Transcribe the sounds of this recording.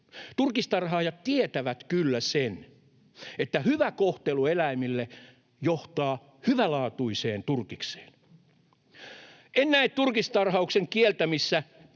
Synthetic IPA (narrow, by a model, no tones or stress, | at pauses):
t̪urkist̪ɑrɦɑːjɑt̪t̪iet̪æʋæt̪kylːæsen | et̪ːæhyʋækoht̪eluelæimilːe | joht̪ɑː | hyʋælɑːt̪uiseːnt̪urkikse̥ːn | enːæit̪t̪urkist̪ɑrhɑukseŋkielt̪æmisːæ